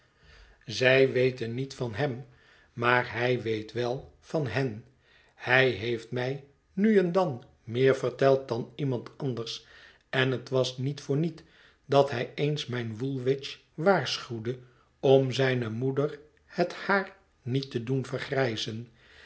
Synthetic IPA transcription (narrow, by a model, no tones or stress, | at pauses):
zɛjʋejtənitfɑnɦɛm | maːɹɦɛjʋejtʋɛlˠ | v̥ɑnɦɛn | hɛjɦejftmɛj | nyɛndɑn | mɪːɹvəɹtɛlˠt̚dɑnimɑntʰɑndəɹs | ɛnɦətʋɑsnitfʊːɹnit | dɑtɦɛjejnsmɛjnʋulˠʋɪt͡ʃ | ʋaːɹsχywdə | ɔmzɛjnəmudər | həthaːɹ | nitədunvəɹχrɛjzən